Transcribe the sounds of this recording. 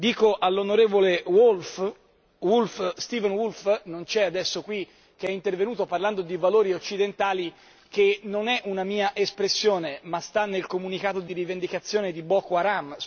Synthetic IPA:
d̪iːkoʔalːonoɾeːvolewolf | wulfst̪iːvɛnwulfnont͡ʃɛad̪ɛsːokwi | k̟eɛint̪ervenuːt̪oparland̪od̪ivaloːɾiot͡ʃːid̪ent̪aːli | kenːonɛʔunamiːaʔespɾesːjoːnemast̪anːelkomunikaːt̪od̪iɾivend̪ikat̪sːjoːned̪ibɔkoaɾam

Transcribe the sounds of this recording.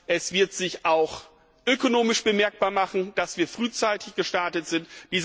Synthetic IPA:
ʔɛsv̥ɪɐtz̥ɪçʔaʊx | ʔøkonoːmɪʃb̥əmɛɐk̚b̥aːɐmaχn̩d̥asv̥iːɐfʁ̥yːt͡saɪtʰɪçɡ̥əʃtaɐtətz̥ɪntd̥iːz

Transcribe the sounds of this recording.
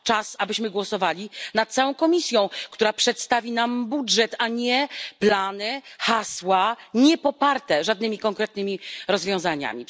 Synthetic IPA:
t͡ʂasabɘɕmɘɡwɔsɔvalʲinat̪̚t̪sawɔ̃w̃kɔmʲisʲjɔ̃w̃kt̪uɾapʂɛt̪st̪avʲinambudʐɛt̪aɲɛplanɘxaswaɲɛpɔpaɾt̪ɛʐad̪nɘmʲikɔŋkɾɛt̪̚nɘmʲiɾɔzvʲjɔ̃w̃zaɲa̰mʲi

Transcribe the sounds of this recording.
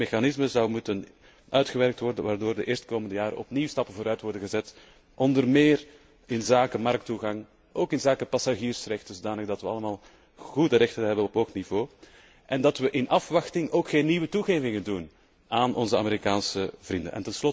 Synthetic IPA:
exanɪsməzɑwmutən | ʔœɥtxəʋɛrk̚tʋɔrdəʋaːrdoːrdəʔeːrstkoːməndəjaːɾə̰ɔ̰pniwstɑpəvoːɾœɥtʋɔrdəɣəzɛt | ʔɔndərmeːr | ɪnzaːkəmɑrk̚tuɣɑŋ | ʔoːkɪnzaːkəpɑsaʒiːrsrɛxtənzodaːnləɣdɑtʋəɑləmaːlˠ | ɣudəɾɛxtənɦɛbənɔpɦoːxtnivoː | ʔɛndɑtʋəʔɪnʔɑfʋɑxtɪŋoːkxeːnːiʋətuɣeːvɪŋəndun | aːnʔɔnzəa̰meɾikaːnsəvrində̰nʔɛ̰ntɛnslɔ

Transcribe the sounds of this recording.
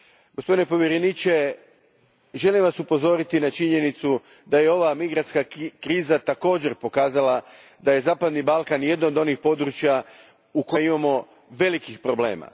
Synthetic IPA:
ɡ̥ospd̪inepo̞ʋjeɾenit͡ʃe̞ | ʒe̞limʋasupo̞zo̞ːɾit̪inat͡ʃiɲe̞nit̪su | d̪aje̞o̞ʋamiɡɾant̪kakɾiːzat̪ako̞ːd͡ʑe̞ɾpo̞kaːzala | d̪aje̞zaːpad̪nibalˠkanje̞d̪nood̪o̞nixpo̞d̪ɾut͡ʃja | ukojimamo̞ | ʋe̞likixpɾoble̞̰ːma̰

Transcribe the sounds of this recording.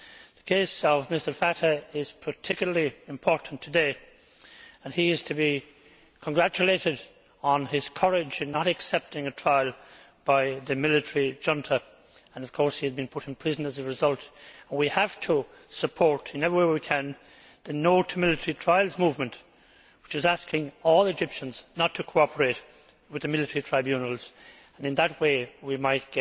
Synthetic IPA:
ðəkʰeɪsʌvmɪstə˞fæɾə˞ɪz̥pʰə˞tʰɪkjl̩ˠəliɨ̃mpʰɔɹʔn̩tʰɨdeɪ | ə̃niɪz̥tʰɨbi | kʰə̃nɡɹæt͡ʃɨleɪɾɨd | n̩ɪz̥kʰʌɹɪd͡ʒɨ̃nːəɾɨksɛp̚tɪ̃ŋɨtʰɹ̥aɪlˠ | b̥aɪðɨmɪlɨtəɹid͡ʒʌ̃ntʰə˞ | ə̃nʌv̥kʰɔɹshiɨzbɨ̃npʰʊɾɨ̃n̩pʰɹ̥ɪzə̃nəzəɹɨzʌlˠtə̃nwihəftʰə | səpʰɔɹɾɨ̃nɛvɹiwewikʰɨ̃n | ðɨnoʊtʰəmɪlɨtʰə˞itʰɹ̥aɪlˠzmuvmə̃nʔ | wɨt͡ʃɨzæskɪ̃ŋɔlˠɨd͡ʒɪpʃə̃nz̥nətʰəkʰoɑpʰə˞eɪt | wɨðɨmɪlˠɨtʰəɹitʰɹ̥aɪbjʉ̃nəl̩ˠz̥ | ə̃nɨ̃nðət̚weɪwimaɪt̚ɡ̥ɛ

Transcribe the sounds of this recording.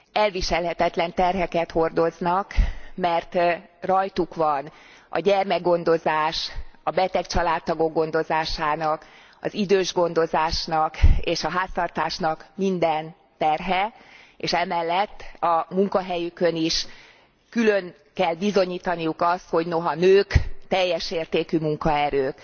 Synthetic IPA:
ɛlviʃɛlɦɛt̪ɛt̪lɛnt̪ɛrɦɛkɛt̪ho̞rd̪o̞znɒkmɛrt̪rɒjt̪ukʋɒn | ɒ̰ɟɛrmɛɡo̞n̪d̪o̞zaːʃɒbɛt̪ɛkt͡ʃɒlaːt̪ːɒɡo̞ɡːo̞n̪d̪o̞zaːʃaːnɒk | ɒ̰zid̪øːʒɡo̞nd̪o̞zaːʃnɒkeːʃɒɦaːst̪ɒrt̪aːʃnɒkmind̪ɛn | t̪ɛrɦɛeːʃɛmɛlːɛt̪ːɒmuŋkɒɦɛjykøniʃ | kyløn | kɛlːbizo̞ɲiːt̪ɒnijukɒst̪ho̞ɟno̞ɦɒnøːkt̪ɛjːɛʃeːrt̪eːkymuŋkɒɛɾøːk

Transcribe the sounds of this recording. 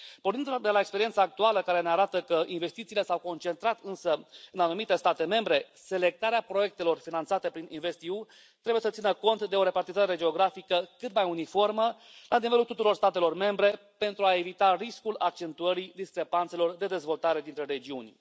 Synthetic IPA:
pornind̪ud̪e̞lae̞kspeɾie̞nsaːk̚t̪ualəkaɾe̞neaɾat̪əkəʔinve̞st̪it̪siːle̞sawko̞nt͡ʃe̞nt̪ɾat̪ɨnsəɨnanumit̪e̞st̪at̪e̞me̞mbɾe̞ | se̞le̞k̚t̪aɾeapɾo̞je̞k̚t̪e̞lo̞rfinant̪sat̪e̞pɾininve̞st̪iu | t̪ɾe̞buje̞sət̪sinəko̞nt̪d̪e̞o̞ɾe̞part̪izaeɾe̞d͡ʒe̞o̞ɡɾafikəkɨt̪majunifo̞rmə | lʔanivelult̪ut̪uɾo̞rst̪at̪e̞lo̞rme̞mbɾe̞ | pe̞nt̪ɾuae̞vit̪ariskulak̚t͡ʃe̞nt̪uəɾid̪iskɾe̞pant̪se̞lo̞rd̪e̞d̪e̞zvo̞lt̪aɾe̞d̪int̪ɾe̞ɾe̞d͡ʒiunʲ

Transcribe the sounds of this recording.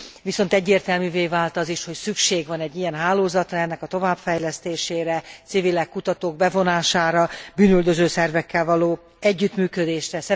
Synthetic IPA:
viso̞nt̪ɛɟːeːrt̪ɛlmyːveːvaːlt̪ɒziʃho̞csykʃeːɡvɒnɛɟːijɛnɦaːloːzɒt̪rɒɛnːɛkɒt̪o̞vaːbfɛjlɛst̪eːʃeːɾɛt̪sivilɛkkːut̪ɒt̪oːɡ̚bɛvo̞naːʃaːɾɒbyːnøld̪øzøːsɛrvɛkːɛlvɒloː | ɛɟːyt̪myːkød̪eːʃrɛsɛ

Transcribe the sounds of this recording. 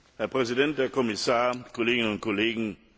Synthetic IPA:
hɛɐpʁ̥ɛzidɛnt̚d̥eːɐkʰɔmɪsaːɐkʰoleːɡɪnənʊnt̚kʰoleːɡŋ̩

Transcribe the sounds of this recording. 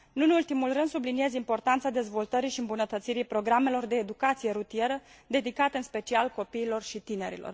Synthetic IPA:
nunult̪imulrɨnd̪sublinie̞zimpo̞rt̪ant̪sad̪e̞zvo̞lt̪əɾiʃiɨmbunət̪ət̪siɾipɾo̞ɡɾame̞lo̞rd̪e̞ːd̪ukat̪sije̞ɾut̪ie̞ɾəd̪e̞d̪ikat̪eɨnspe̞t͡ʃialko̞piːlo̞rʃit̪ine̞ɾḭlo̞̰r

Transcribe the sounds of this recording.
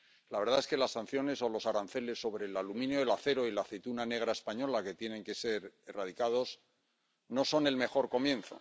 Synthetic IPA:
laβe̞ɾðae̞ske̞lasːan̟θjo̞ne̞so̞lo̞saɾanθe̞le̞sːo̞βɾe̞ːlalumĩnjoelaθe̞ɾo̞ilaθet̪unane̞ɣ̞ɾaespaɲo̞lake̞t̪je̞nẽ̞ŋke̞se̞ɾerað̞ikað̞o̞s | no̞so̞ne̞lme̞χo̞ɾko̞mjẽ̞nθo̞̰

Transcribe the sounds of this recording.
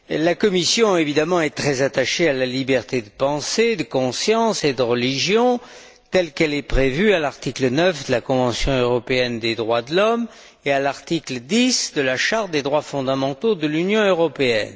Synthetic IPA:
lakɔmisjɔ̃evid̪amɑ̃ɛt̪χɛzat̪aʃealalibɛʁt̪ed̪əpɑ̃sed̪əkɔ̃sjɑ̃sed̪əʁəliʒjɔ̃ | t̪ɛlkɛlɛpχevyalaʁt̪iklənœfd̪əlakɔ̃vɑ̃sjɔ̃øʁɔpeɛnd̪ed̪ʁwad̪əlɔm | ealaʁt̪ikləd̪isd̪əlaʃaʁt̪̚d̪ed̪ʁwafɔ̃d̪amɑ̃t̪od̪əlynjɔ̃øʁɔpeɛ̰n

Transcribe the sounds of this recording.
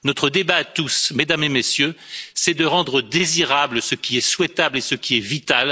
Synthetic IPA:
nɔt̪χəd̪ebaːt̪usmed̪amemesjøsɛd̪əʁɑ̃d̪ʁəd̪eziʁabləsəkʲiɛswɛt̪ablesəkʲiɛvit̪al

